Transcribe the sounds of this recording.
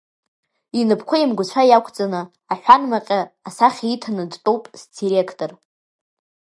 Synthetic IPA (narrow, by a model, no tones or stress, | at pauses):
inɨpʰkʷʰaimɡʷʊt͡ɕʷʰajakʷʰt͡sʼanɨ | aħᶣʷanmaqʲʼaːsaχʲitʰanɨdtʼowpʼzdiɾekʰtʼor